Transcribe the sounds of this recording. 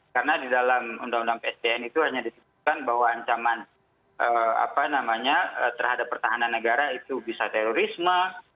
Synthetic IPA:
kaɾənadidalamṵndaŋundaŋpeɛsdeɛnit̪uhaɲadit̪əbut̪̚kanbahwaːɲt͡ʃaman | ʔəa̰panamaɲaət̪ərhadapːərt̪aɦananːəɡaɾait̪ubisat̪ɛɾoɾisma

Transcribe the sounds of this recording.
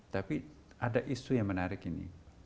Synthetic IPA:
t̪api | ʔadaʔisujaŋmənaɾɪkinḭ

